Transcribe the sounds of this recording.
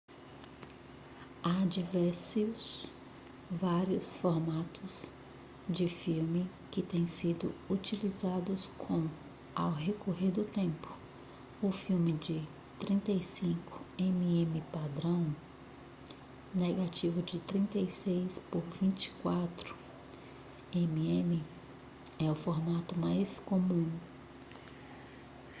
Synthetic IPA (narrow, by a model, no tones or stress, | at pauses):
ad͡ʒivɛɾsʊs | vaɾiʊsfoɾmat̪ʊz | d͡ʒɪfiwmɪ | kɪt̪ẽj̃sid̪ʊ̰ut͡ʃilizad̪ʊskʰõw̃ | awɦekoɦeɾd̪ʊt̪ẽmpʊ̥ | ʊfiwmɪd͡ʒɪ | t̪ɾĩnt̪ejsĩkʊ̥ẽmiẽmɪpad̪ɾɐ̃w̃ | neɡat͡ʃivʊd͡ʒɪt̪ɾĩnt̪ejsejspoɾvĩnt͡ʃɪ̥kwat̪ɾʊ̥ | ẽmiẽmɪ | ɛʊfoɾmat̪ʊmajskomũ